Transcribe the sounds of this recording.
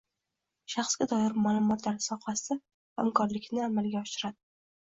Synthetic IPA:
ʃaχsɡʲad̪ɒjɪɾmaːlˠʊmɒt̪laɾsɒhasɪ | ha̰mkʰɒɾlɪkʲnɪamalɡʲaɒʃɪɾad̪ɪ

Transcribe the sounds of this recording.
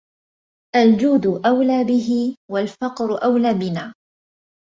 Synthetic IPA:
ʔald͡ʒuːd̪ʊʔawlaːbɪɦɪwalfɑqɾʊʔawlaːbɪnaː

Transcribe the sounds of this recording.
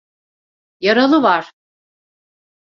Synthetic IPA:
jaɾalˠɯvaɾ̥

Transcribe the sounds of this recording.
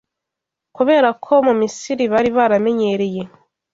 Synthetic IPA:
kuβe̞ːɾakʰo̞mumisiɾiβaɾiβaɾame̞ɲe̞ɾe̞je̞

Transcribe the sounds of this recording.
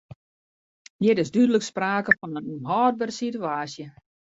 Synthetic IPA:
njɪɾɪsdydələkspraːkəfɔnənnɦɔːd̚bərsituaːsjə

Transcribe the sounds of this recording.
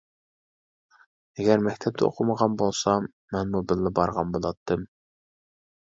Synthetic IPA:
ɛɡʲɛɾmækʲt̪ʰɛp̚t̪ʰɛo̰qʰʊməʁɑnbolˠsɑ | mɛnmubɪlːɪbɑɾʁɑnbolˠɑt̪ʰːɨm

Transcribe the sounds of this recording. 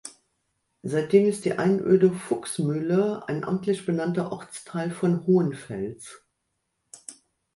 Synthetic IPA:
zaɪt̚d̥eːmɪstd̥ḭːʔaɪnʔø̰ːdəfʊksmʏləa̰ɪnʔa̰mtʰlɪçb̥ənantɐʔɔʁt͡stʰaɪlfɔnhoːənfɛ̰ls

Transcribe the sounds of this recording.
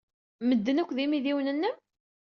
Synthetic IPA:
məd̪ːənækʷːðimiðiwnənːəm

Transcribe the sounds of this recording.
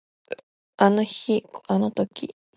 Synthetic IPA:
anoçikanot̪okʲi

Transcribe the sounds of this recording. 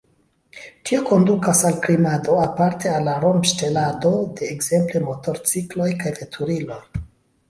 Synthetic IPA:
tʰio̞ko̞ndukasalklimado̞apaɾtealːaɾo̞mʃte̞lado̞de̞ːɡz̥e̞mple̞mo̞to̞ɾt͡siklo̞jkajve̞tʰuɾilo̞j

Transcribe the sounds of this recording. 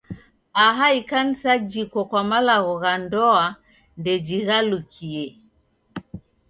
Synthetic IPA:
aɦaikan̩sad͡ʒikwɔkwamalaɣɔɣandɔa | ndɛd͡ʒiɣalukʰiɛ

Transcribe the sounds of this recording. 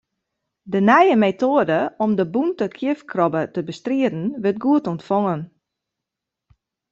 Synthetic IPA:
dənɛjəmetoədəɔmdəbuntəkʰjɪfkʰrɔbətəbəstriədn̩ʋɪrt̚ɡuətɔntfɔŋən

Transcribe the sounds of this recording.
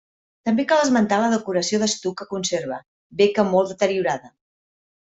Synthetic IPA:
t̪əmbekalˠəzmənt̪aləðəkuɾəsioðəst̪ukəkunseɾβ̞ə̰ | bekəmolˠd̪ət̪əɾiuɾaðə

